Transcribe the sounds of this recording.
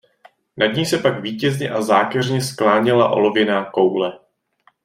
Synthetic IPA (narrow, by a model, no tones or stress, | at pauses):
nadɲiːsɛpaɡviːcɛzɲɛʔazaːkɛrɲɛsklaːɲɪlaʔo̞̰lo̞vjɛnaːko̞wlɛ